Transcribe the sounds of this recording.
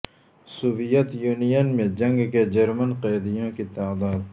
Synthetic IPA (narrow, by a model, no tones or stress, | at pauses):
sʊʋɪjət̪juːnijənmẽd͡ʒɐ̃ŋɡked͡ʒɐɾmənqɛːd̪ɪjõkit̪aːd̪aːd̪̚